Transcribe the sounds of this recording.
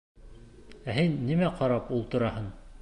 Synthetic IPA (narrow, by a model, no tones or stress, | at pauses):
æɦɘnːimæqɑɾɑpulˠt̪ŏɾɑhɤn